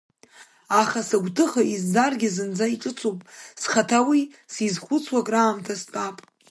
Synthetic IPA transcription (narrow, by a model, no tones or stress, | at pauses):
aχasaɡʷtʰɨχaʔizːarɡʲɪzɨnd͡zaiʈ͡ʂʼɨt͡sʼopʼsχatʰawi | sizχʷʊt͡sʰwakʼraːmtʰaspʼapʼ